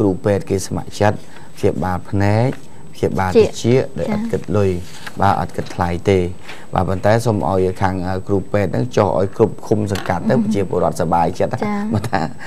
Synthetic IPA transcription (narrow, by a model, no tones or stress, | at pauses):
kruːpɛːt̪̚keːsama̰ʔt͡ɕət̪̚ | pʰjiəɓaːlpʰnɛɛk̚ | pʰɕiəɓaːlit͡ɕiəʔɗa̰ɔjʔɑ̰t̪̚kɨt̪̚lʊj | ɓaːʔɑ̰t̪̚kɨt̪̚ʰlajt̪eː | ɓa̰ːpont̪aɛsomʔa̰ɔjkʰaːŋʔəːkruːpɛːt̪̚nɨ̰ŋt͡ɕohʔa̰ɔjkrup̚kʰumsɑŋkat̪ːəwppɑt͡ɕiəpoəɾŏət̪̚saɓaːjt͡ɕət̪̚ʔamat̪ʰaː